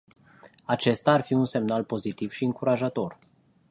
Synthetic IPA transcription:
at͡ʃe̞st̪aːrfiunse̞mnalpo̞zit̪iv̥ʃiɨŋkuɾaʒat̪o̞r

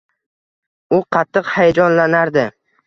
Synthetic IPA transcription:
ʊqʰɑt̪ʰːɨqhajad͡ʒɒnlanaɾd̪ɪ

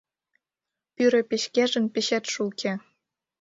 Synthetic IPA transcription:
pyɾĕpeɕkæʒɘ̆npeɕæt̪ʃukʲʰĕ

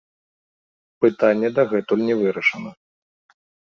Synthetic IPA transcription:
pɨt̪anʲːɛd̪ɐɣɛt̪ulʲnʲɛvɨɾɐʂɐnɐ

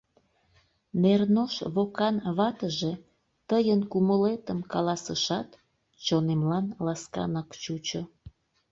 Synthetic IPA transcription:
mernoʃβokɑnβɑt̪əʒe | t̪əjənkuməlet̪əmkɑlɑsəʃɑt̪ | t͡ɕonemlɑnlɑskɑ̰nɑkt͡ɕut͡ɕo

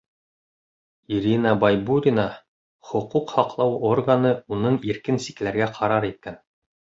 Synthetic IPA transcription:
iɾʲinabajbuɾʲina | χŏquqhɑqlˠɑworɡanɤunɤɴiɾkɘnsi̥klæɾɡæqʰɑɾɑɾit̪̚kæn

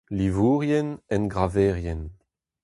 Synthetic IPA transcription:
livuːʁjɛnɛnɡʁavɛːʁjɛn

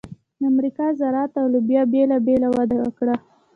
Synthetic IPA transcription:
d̪əamɾikɑzaɾɑt̪awlubjɑbelabelawad̪awə̰kɽa

